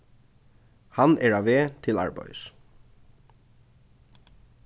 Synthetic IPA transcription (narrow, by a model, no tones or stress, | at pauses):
hɑnɛɹɑːʋeːt̪ʰɪlɑ̰ɹbœ̰ʏs